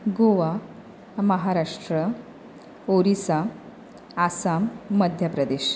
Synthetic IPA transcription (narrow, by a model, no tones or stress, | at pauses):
ɡoʋa | məɦaɾaʂʈɾə | oɾisa | asamːəd̪ʱjəpɾəd̪eɕ